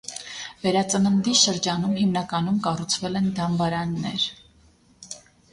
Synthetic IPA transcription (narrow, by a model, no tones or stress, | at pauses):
vɛɾɑt͡sənənd̪iʃəɾd͡ʒɑnumɦimnɑkɑnumkɑrut͡sʰvɛlɛnd̪ɑmbɑɾɑnːɛɾ